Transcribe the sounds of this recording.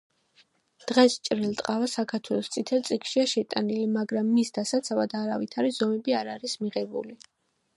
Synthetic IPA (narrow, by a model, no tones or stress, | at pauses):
d̪̥ʁɛst͡ʃʼɾɛlˠt̪ʼqʼavasakʰaɾt̪ʰwɛlˠɔst̪sʼit̪ʰɛlt̪sʼikʃiaʃɛt̪ʼanilimaɡɾamːisd̪asat̪sʰavad̪aɾavit̪ʰaɾizɔmɛbiaɾaɾismiʁɛbṵli